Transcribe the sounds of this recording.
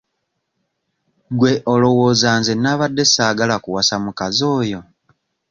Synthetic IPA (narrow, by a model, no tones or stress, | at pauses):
ɡwe̞ʔolo̞wo̞ːzaːnzenaːβadːe̞saːɡalakuwasamukazoːjo̞